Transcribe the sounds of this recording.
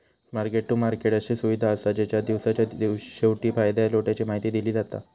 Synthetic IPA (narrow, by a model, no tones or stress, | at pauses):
maɾkeʈːumaɾkeʈaɕisuʋid̪ʱaəsad͡ʑat͡ɕjad̪iʋsat͡ɕjaɕewʈiːfajd̪ajloʈjat͡ɕiːmaɦit̪iːd̪iliːd͡zat̪a̰